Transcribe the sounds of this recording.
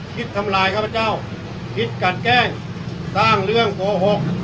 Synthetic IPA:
kʰi˧˥t̪ʰːa˧˥mlaː˧˦jkʰaː˥˩pʰːa˧t͡ɕa˥˩w | pʰi˧˦˥t̪̚ka˧˩t̪̚kɛː˥˩ŋ | saː˥˩ŋlɯ˥˩əŋko˨˦ɦo˧˥k̚

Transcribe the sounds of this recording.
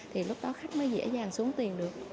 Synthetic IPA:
t̪ʰi˨˩lʊ˦˥k͡p̚ɗɔ˨˦xa˦˥jk̟̚məː˨˦jzɛ̰˧˥zaː˨˩ŋsu˨˦əŋt̪i˨˩ənɗɨ˨˩ək̚

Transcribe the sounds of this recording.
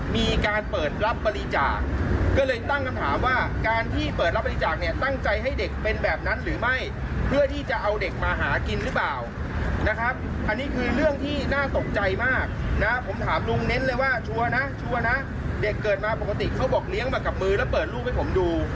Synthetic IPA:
miː˧kaː˧npɤː˨˩t̪̚ɾa˦˥p̚ːa˧li˧t͡ɕaː˨˩k̚ːɔː˥˩lɤː˧jt̪a˥˩ŋkʰa˧mt̪ʰaː˩˦mwaː˥˩kaː˧nt̪ʰiː˥˩pɤː˨˩t̪̚ɾa˦˥p̚ːa˧li˧t͡ɕaː˨˩k̚ni˥˩ɐt̪a˥˩ŋt͡ɕa˧jɦa˥˩jde˨˩k̚pe˧nbɛː˨˩p̚na˦˥nɾɯː˩˦ma˥˩j | pʰɯ˥˩ət̪ʰiː˥˩t͡ɕa˨˩ʔa˧wde˨˩k̚maː˧ɦaː˩˦ki˧nɾɯ˦˥plaː˨˩w | na˦˥kʰɾa˦˥p̚ | ʔa˧nːiː˦˥kʰɯː˧ɾɯ˥˩əŋt̪ʰiː˥˩naː˥˩t̪o˨˩k̚t͡ɕa˧jmaː˥˩k̚na˦˥pʰo˩˦mt̪ʰaː˩˦mlu˧ŋne˦˥nlɤː˧jwaː˥˩t͡ɕʰu˧ɐna˦˥t͡ɕʰu˧ɐna˦˥ | de˨˩kːɤː˨˩t̪̚maː˧po˨˩ka˧t̪i˨˩kʰa˦˥wbɔː˨˩k̚li˦˥əŋmaː˨˩ka˨˩p̚mɯː˧lɛː˦˥wpɤː˨˩t̪̚lu˥˩k̚ha˥˩jpʰo˩˦mduː˧

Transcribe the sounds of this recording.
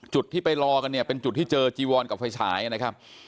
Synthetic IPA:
t͡ɕu˨˩t̪ʰːiː˥˩pa˧jɾɔː˧ka˧nːi˥˩ɐpe˧nt͡ɕu˨˩t̪ʰːiː˥˩t͡ɕɤː˧t͡ɕiː˧wɔː˧nka˨˩p̚fa˧jt͡ɕʰa̰ː˩˦jʔa˧na˦˥kʰa˦˥p̚

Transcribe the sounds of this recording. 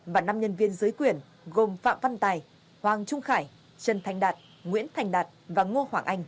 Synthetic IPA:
vaː˨˩na˧mɲə˧nvi˧ənzɨː˨˦jkwi˨˩ən | ɣo˨˩mfa̰ː˧˨mva˧nt̪aː˨˩j | hwaː˨˩ŋt͡ɕʊ˧ŋ͡mxaː˧˩j | t͡ɕə˨˩nt̪ʰjŋ̟ɗaː˨˩t̚ | ŋwḭ˧˥ənt̪ʰɛ˨˩jŋ̟ɗaː˨˩t̚vaː˨˩ŋo˧əhwaː˧˩ŋʔa˧jŋ̟

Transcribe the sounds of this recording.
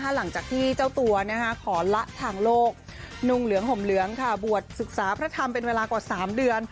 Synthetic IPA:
kʰa˦˥˩la˩˦ŋt͡ɕaː˨˩k̚t̪ʰiː˥˩t͡ɕaː˥˩wt̪u˧ɐna˦˥˩kʰa˦˥kʰɔː˩˦la˦˥ʔt̪ʰaː˧ŋloː˥˩k̚ | nu˧ŋlɯ˩˦əŋɦo˩˦mlɯ˩˦əŋkʰa˥˩bu˨˩ət̪̚sɯ˨˩k̚saː˩˦pʰɾa˦˥t̪ʰa˧mpe˧nweː˧laː˧kwaː˨˩saː˩˦mdɯ˧ən

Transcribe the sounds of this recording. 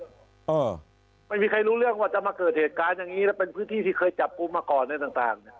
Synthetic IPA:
ʔː | ma˥˩jmiː˧kʰa˧jɾuː˦˥ɾɯ˥˩əŋwaː˧˩t͡ɕa˨˩maː˧kɤː˨˩t̪̚heː˨˩t̪̚kaː˧njaː˨˩ŋːiː˦˥lɛː˦˥˩pe˧npʰɯː˦˥nt̪ʰiː˥˩t̪ʰiː˥˩kʰɤː˧jt͡ɕa˨˩p̚ku˧mːaː˧kɔː˨˩nːa˧t̪aː˨˩ŋt̪a̰ː˨˩ŋni˧˩

